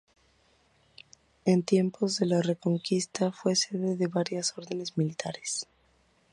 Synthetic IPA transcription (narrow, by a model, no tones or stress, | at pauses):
e̞nt̪je̞mpʰo̞zðe̞lare̞ko̞ŋkist̪afwe̞se̞ðe̞ðe̞βaɾjaso̞ɾðe̞ne̞zmilit̪aɾes